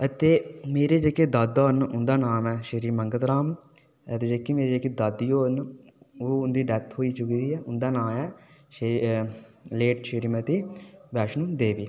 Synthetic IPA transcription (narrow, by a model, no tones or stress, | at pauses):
ət̪eːmeːɾeːd͡ʒeːkeːd̪əd̪oːnʊnd̪aːnaːmɛːʃəɾiːməŋɡət̪ɾaːm | ət̪eːd͡ʒeːkːemeːɾed͡ʒeːkeːd̪ad̪ijoːn | oːʊnd̪iːɖɛːt̪ʰɦoːiːt͡ʃʊkid̪iːɛːʊnd̪aːnaːmɛːʃ | leːʈʃəɾiːmət̪iːʋɛːʃnũːd̪eːʋiː